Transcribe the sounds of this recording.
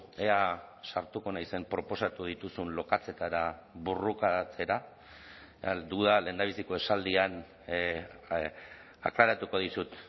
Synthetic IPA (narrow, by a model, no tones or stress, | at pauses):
easaɾt̪uko̞najse̞mpɾo̞po̞sat̪uð̞it̪usunlo̞kat͡se̞t̪aɾaβurukat͡se̞ɾa | ad̪uðale̞ːnd̪aβ̞isiko̞e̞sald̪ian | a̰klaɾat̪uko̞ðisut̪